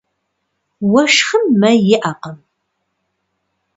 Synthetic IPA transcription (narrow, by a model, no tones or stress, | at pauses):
wɐʃχəmːɐjɪʔaqəm